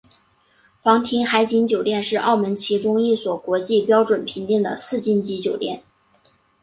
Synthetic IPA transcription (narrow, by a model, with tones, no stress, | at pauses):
fɑ˧˥ŋt̪ʰi˧˥nxa˧˥ɪt͡ɕi˧˥nt͡ɕjo˨˩ʊt̪jɛ˥˧nʂɻ̩˥˧ʔɑ˥˩ʊmə˧˥nt͡ɕʰi˧˥ʈ͡ʂʊ˥ŋi˥˩swɔ˨˩kwɔ˧˥t͡ɕi˥˩pjɑ˥ʊʈ͡ʂwə˨˩npʰi˧˥ŋt̪i˥˩ŋd̪ə̰˩sɹ̩˥˧t͡ɕi˥˩nt͡ɕi˧˥t͡ɕjo˨˩ʊt̪jɛ˥˩n